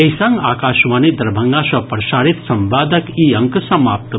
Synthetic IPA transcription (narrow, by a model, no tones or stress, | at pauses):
ejsãŋɡaːkaːʃʋaːnid̪ɐɾbʱɐŋɡasɐpɾɐʃaːɾit̪sɐmbaːd̪ɐkiɐ̃ŋksɐmaːp̚t̪